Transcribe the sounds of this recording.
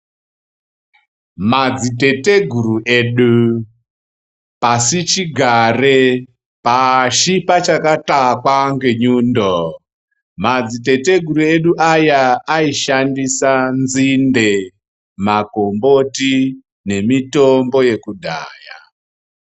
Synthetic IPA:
mad͡zite̞te̞ɡʱuruʔe̞ɗu | pasit͡ʃiɡʱare | paʃipat͡ʃakatakwaŋɡeɲuːndo | mad͡zite̞te̞ɡʱuɾue̞ɗuʔajaːiʃandisanzinde | mako̞mbo̞ti | ne̞mitombo̞je̞kudʱa̰ːja

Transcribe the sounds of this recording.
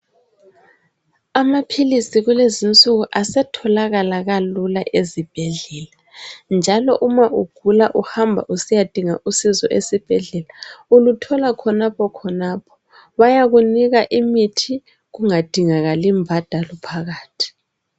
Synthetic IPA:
amapʰilisiɣulezint͡sʼuɣuʔasɛtʰɔlaɣalaɣalulaʔezib̥ʱɛɮɛːla | nd͡ʒʱalɔʔumaʔuɡ̥ʱulaʔuhambʱa̰ʔusijad̥ʱiŋaʔusizɔ̰ʔesib̥ʱɛɮɛlaulutʰɔlakʰɔnapʰɔkʰɔnaːpʰɔ̥ | βajaɣuniɣaʔimitʰi | ɣuŋad̥ʱiŋaɣalimbʱad̥ʱalɔpʰaɣaːtʰi̥

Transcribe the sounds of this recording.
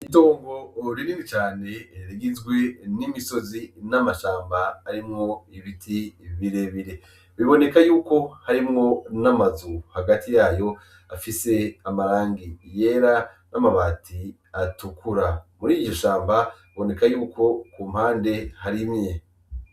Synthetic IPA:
ito̞ːŋɡo̞ɾiɾiːŋit͡ʃaːne̞ɾiɡizɡwe̞nimiso̞zinamaʃaːmbaːɾimŋo̞iβitʰiβiɾe̞βiɾe̞ | βiβo̞ne̞kajuːko̞haɾimŋo̞namazuhaɡatijaːjo̞ | afise̞amaɾaːŋɡije̞ːɾa | namaβatʰi | atukʰuɾamuɾiːoʃaːmbaiβo̞ne̞kajuːkʰo̞kuːmhaːnde̞haɾimje̞

